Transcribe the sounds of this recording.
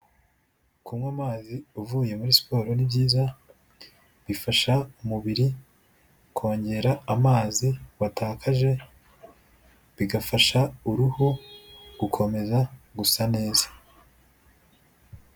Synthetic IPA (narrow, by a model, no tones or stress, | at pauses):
kumŋwamaːziuvuːje̞muɾispo̞ːɾo̞nibɟiːza | βifaʃaumuβiɾi | kʰo̞ːɲɟe̞ɾaːmaːziwataːkaʒe̞ | βiɡafaʃauɾuho̥ukʰo̞me̞zaɡusane̞ːzḁ